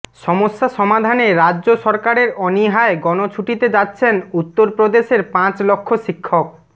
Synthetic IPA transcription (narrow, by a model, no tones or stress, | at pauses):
ʃɔmoʃːaʃɔmad̪ʱaneɾadːʑoʃɔɾkaɾeɾɔniɦaeɡɔnot͡ɕʰuʈit̪ed͡ʑatːɕʰenut̪ːoɾpɾod̪eʃeɾpãt͡ɕlokʰːoʃikʰːok̚